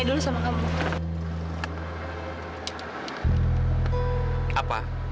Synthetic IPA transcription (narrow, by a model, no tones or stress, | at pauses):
dulusamaŋambuŋ | ʔapa̰